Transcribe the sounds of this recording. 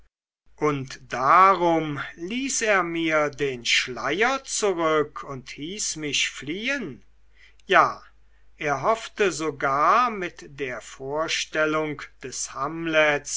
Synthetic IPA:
ʔʊntd̥aʁʊmliːseːɐmiːɐdeːnʃlaɪjɐt͡suʁʏkʰʊnthiːsmɪɕfliːən | jaː | ʔeːɐɦɔftəzoɡaːɐmɪtd̥eːɐfoːɐʃtɛlʊŋkd̥ɛshamlɛs

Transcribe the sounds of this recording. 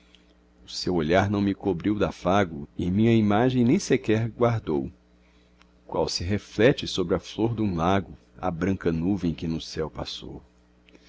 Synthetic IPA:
ʊsewoʎaɾnɐ̃w̃mɪkobɾiwd̪ɐfaɡʊɪmĩɲɐimaʒẽj̃nẽj̃sekɛɾɡwaɾd̪ow | kwa̰wsɪɦeflɛt͡ʃɪsobɾɪɐfloɾd̪ũlaɡʊ | ɐ̰bɾɐ̃ŋkɐnuvẽj̃kɪnʊsɛwpa̰so̰w

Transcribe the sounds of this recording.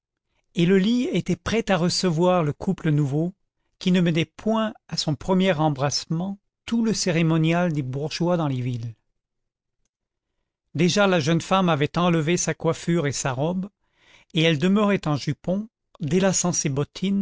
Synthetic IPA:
eləliet̪ɛpχɛt̪aʁəsəvwaʁləkʰuplənuvo | kʲinəmɛnɛpʰwɛ̃asɔ̃pχəmjɛʁɑ̃bʁasmɑ̃ | t̪uləseʁemɔnjald̪ebuʁʒwad̪ɑ̃levil | d̪eʒalaʒənfamavɛt̪ɑ̃ləvesakwafyʁesaʁɔb | eɛld̪əməʁɛt̪ɑ̃ʒypɔ̃ | d̪elasɑ̃sebɔt̪ʰin

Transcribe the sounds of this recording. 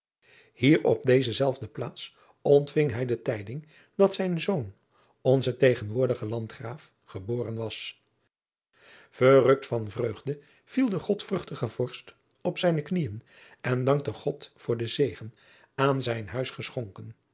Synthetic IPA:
hiːɹɔ̰p̚dejzəzɛlˠvdəplaːts | ɔntfɪŋɦɛjdətɛjdɪŋ | dɑtsɛjnzown | ɔnzətejχənʋʊːɹdəχəlɑntχraːf | χəboːrənʋɑs | v̥ərɵk̚tfɑnvrøɥχdə | v̥ilˠdəχɔtfrɵχtəχəv̥ɔɹst | ɔpsɛjnəknijən | ɛndɑŋk̚təχɔtfʊːɹdəzejχən | aːnzɛjnɦœɥsχəsχɔŋkən

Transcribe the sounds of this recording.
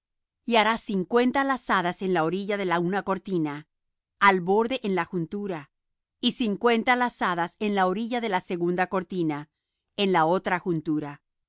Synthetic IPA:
iaɾasiŋkwe̞nt̪alasaðase̞nlaoɾiʝaðe̞launako̞ɾt̪inaː | lβo̞ɾðe̞ʔenlaxunt̪uɾa | isiŋkwe̞nt̪alasaðase̞nlao̞ɾiʝaðe̞lase̞ɣund̪ako̞ɾt̪ina | e̞nlao̞t̪ɾaxunt̪uɾa

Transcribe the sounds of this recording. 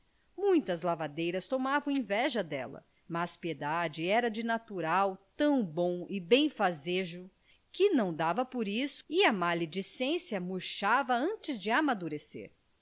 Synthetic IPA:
mũj̃t̪ɐzlavad̪ejɾɐst̪omavɐ̃w̃ẽvɛʒɐd̪ɛ̰lɐ̰ | maspied̪ad͡ʒɪɛɾɐd͡ʒɪnat̪uɾawt̪ɐ̃w̃bõw̃ɪbẽj̃fazeʒʊ | kɪnɐ̃w̃d̪avɐpoɾisʊ̥ɪɐmaled͡ʒisẽsjɐmuɾʃavɐɐ̃t͡ʃɪzd͡ʒɪamad̪uɾesḛɾ

